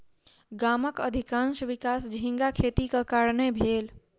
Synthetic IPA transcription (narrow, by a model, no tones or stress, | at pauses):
ɡaməkəd̪ʱikãnsʋikasd͡ʒʱĩŋɡakʰet̪ikekaɾnebʱel